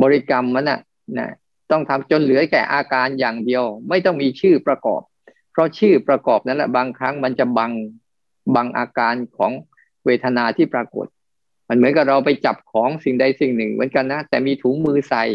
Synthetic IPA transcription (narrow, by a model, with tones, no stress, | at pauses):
bɔː˧ɾi˦˩ka˧mːa˦˥na̰˨˩ | na̰˦˥ | t̪ɔ˥˩ŋt̪ʰa˧mt͡ɕo˧nlɯ˨˩˦kɛ̰ː˨˩ʔaː˧kaː˧njaː˨˩ŋdi˧əwma˥˩jt̪ɔ˥˩ŋmiː˧t͡ɕʰɯː˥˩pɾa˧kɔ̰ː˨˩p̚ʰː | ɾɔ˦˥t͡ɕʰɯː˥˩pɾa˧kɔː˨˩p̚na˦˥nlɛ̰˨˩baː˧ŋkʰɾa˦˥ŋma˧nt͡ɕa˨˩ba˧ŋ | ba˧ŋʔa̰ː˧kaː˧nkʰɔ̰ː˩˦ŋ | weː˧t̪ʰa˧naː˧t̪ʰiː˥˩pɾaː˧ko̰˨˩t̪̚ | ma˧nmɯ˩˦ənka˨˩ɾa˧wpa˧jt͡ɕa˨˩p̚kʰɔː˩˦ŋsi˨˩ŋda˧jsi˨˩ŋnɯ˨˩ŋmɯ̰˩˦ənka˧nːa˦˥t̪ɛː˨˩miː˧t̪ʰuː˩˦ŋmɯː˧sa˧j